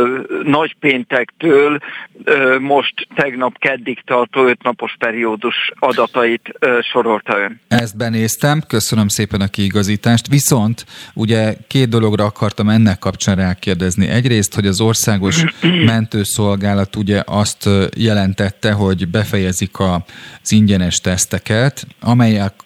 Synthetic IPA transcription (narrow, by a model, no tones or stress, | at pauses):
nɒɟpeːnt̪ɛkt̪øːl | mo̞ʃt̪ːɛɡnɒpkɛd̪ːikt̪ɒrt̪oːøt̪nɒpo̞ʃpɛɾioːd̪uʃɒd̪ɒt̪ɒit̪ʃo̞ɾo̞lt̪ɒønɛst̪̚bɛneːst̪ɛmkø̞sønø̞mseːpɛnɒkiːɡɒziːt̪aːʃt̪ʋiso̞nt̪uɟɛkeːd̪̚d̪o̞lo̞ɡrɒɒkɒrt̪ɒmɛnːɛkːɒpt͡ʃaːnraːkeːrd̪ɛznḭʔɛɟreːst̪ho̞ɟɒzo̞rsaːɡo̞ʃmɛnt̪øːso̞lɡaːlɒt̪uɟɛʔɒst̪jɛlɛnt̪ɛt̪ːɛɦo̞ɟbɛfɛjɛzikʰɒz̥iɲɟɛnɛʃt̪ɛst̪ɛkɛt̪ɒmɛjːɛlk